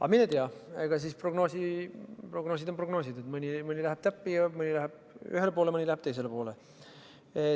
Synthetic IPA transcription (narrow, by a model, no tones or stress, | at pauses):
ɑ̰minet̪eɑeɡ̥ɑs̬iːspro̞ɡno̞ːsiproɡ̥noːs̬id̪̥o̞mpro̞ɡno̞ːsid̪et̪mɯnʲimɯnʲilæɦeb̥t̪æpːijɑmɯnʲilæɦeb̥̚ | y̰ɦelp̬o̞ːlemɯnʲilæheb̥̚t̪e̞js̬e̞lepo̞ːle | e